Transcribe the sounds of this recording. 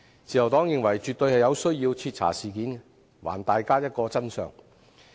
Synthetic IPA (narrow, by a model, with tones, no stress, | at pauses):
t͡siː˨jɐ˨˩wt̪ɔː˨˥ŋjɪ˨ŋwɐ˨˩jt͡ʃyː˨t̪ːɵ˧ɥhɐ˨jɐ˨˧wsɵ˥ɥjiː˧wt͡sʰiː˧t̚t͡sʰa̰ː˨˩siː˨˩kiː˨˥n | wa̰ː˨˩nt̪aː˨jkaː˥jɐ˥t̚kɔː˧t͡sɐ˥nsœ̰ː˨ŋ